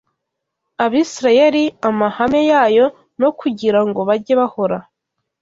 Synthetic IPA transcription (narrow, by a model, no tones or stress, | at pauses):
aβiːsiɾaje̞ɾiamahame̞jaːjo̞ | no̞kʰuɟiɾaŋɡo̞βaɟe̞βaho̞ɾa